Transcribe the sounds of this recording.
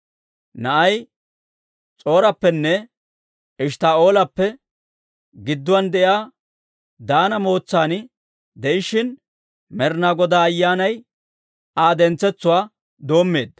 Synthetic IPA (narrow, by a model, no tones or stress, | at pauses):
nɐʔɐj | t͡sʼo̞ːɾɐpːɛnːɛ | ɪʃt̪aːo̞ːlɐpːɛ | ɡɪd̪ːʊwɐnd̪ɛʔjaː | d̪aːnɐmo̞ːt͡sːaːnɪ | d̪ɛʔɪʃɪn | mɛɾnaːɡɔd̪aːɐjːaːnɐj | aːd̪ɛnt͡sːɛt͡sːʊwaː | d̪o̞ːmːe̞ːd̪ːɐ